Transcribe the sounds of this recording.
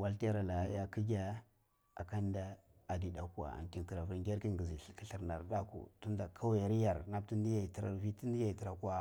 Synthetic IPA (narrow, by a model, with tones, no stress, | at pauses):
wa˦lti˦ja˦ɾa˨la˨˦ja˦ki˦ɡʲa˦ | a̰˨ka˦nda˦ | a˨di˨da˨ku˦wa̰˨a̰˨ŋki˨nki˨ɾa˨vu˦ɾŋɡʲe˦ɾki˦ŋɡi˨zi˨ki˦ɬi˨ɾna˨ɾda˦kṵ˨tu˦nda˨kʰa˦wa˨ɾi˦ja˨ɾna˦b̚ti˦ndi˦ja˦˨i˨tɾa̰˨vi˦ti˦ndi˦ja˦i˨ti˨ɾa˨kʷa˦